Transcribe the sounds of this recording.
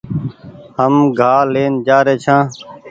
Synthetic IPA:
həmɡʱaːleːnd͡ʒaːɾeːt͡ʃʰãː

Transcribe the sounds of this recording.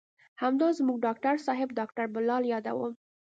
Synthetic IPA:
hamd̪ɑzmuɡɖɑkʈaɾsɑɦɪbɖɑk̚ʈaɾbʊlɑljɑd̪a̰wəm

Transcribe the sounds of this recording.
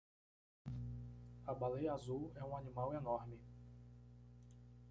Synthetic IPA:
abalejazuwɛũanĩmawenɔɾmɪ

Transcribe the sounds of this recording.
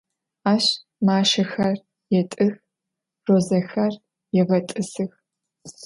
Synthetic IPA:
aːʃ | maːʃɐxɐr | jɛtʼɨx | roːzɐxɐr | jɛʁɐtʼɨsɨx

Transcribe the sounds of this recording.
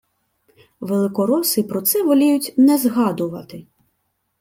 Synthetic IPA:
ʋelˠɪkɔɾɔsɪpɾɔt̪sɛʋɔlʲijʊtʲnɛzɦɑd̪ʊʋɐt̪ɪ

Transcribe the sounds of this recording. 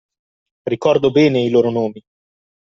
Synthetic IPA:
rikɔrd̪obɛːneiloːɾonoːmi

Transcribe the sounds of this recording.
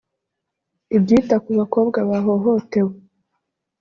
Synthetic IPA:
ibɟiːtakuβako̞ːbɡaβaɦo̞ɦo̞te̞we

